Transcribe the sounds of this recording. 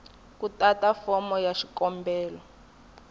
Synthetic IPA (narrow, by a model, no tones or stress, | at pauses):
kutatafɔmɔjaʃikɔmbɛːlɔ